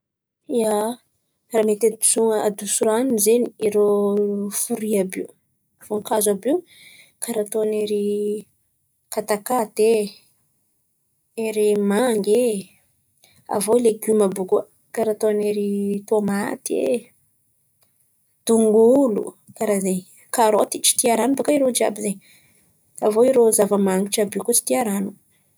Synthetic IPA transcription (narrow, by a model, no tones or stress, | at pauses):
ia | ramet̪ad̪usuŋəad̪usuɾaninzeniiɾo | fuɾiabiu | foŋkazabiu | kaɾat̪oaneɾi | kat̪akat̪e | eɾimaŋɡe | a̰voileɡumabuku | kaɾat̪oaneɾit̪omat̪iḛ | d̪̥uŋɡulṵkaɾazeɲ | kaɾot̪it͡ʃi̥t̪iaɾanubakaiɾod͡ʒia̰bizeɲ | avoiɾozavəmaŋɡiʈ͡ʂabikut͡ʃi̥t̪iaɾanu